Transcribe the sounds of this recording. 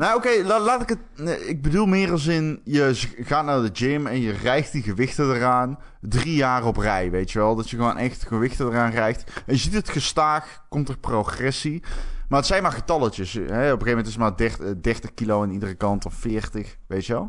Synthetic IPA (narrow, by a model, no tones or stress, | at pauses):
naokejlalaːtɪkətɪɡ̚bədulˠmɪːrɑlˠs̬ɪnjəɣaːtnaːɹdəd͡ʒɪmɛnjərɛjkt̚diɣəʋɪxtədəraːn | drijaːrɔprɛjʋejtjəʋɛlˠdɑtjəɣəʋonʔɛxtɣəʋɪxtədəraːnrɛjktɛnjəzitətxəstaːx | kɔmtərproxrɛsimaːətsɛjnmaːɹɣətɑlətəsɦɛɔpəɣeːvmɛntɪsətmaːɹdɛdɛrtəxkilowanidərəkɑntɔfːɪːɹtəx | ʋejtjəʋɛlˠ